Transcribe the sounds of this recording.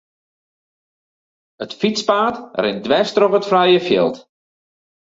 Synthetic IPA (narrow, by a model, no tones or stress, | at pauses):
ətfispaːtrɪndʋɛstrɔχətfrɛjəfjɪ̰lˠt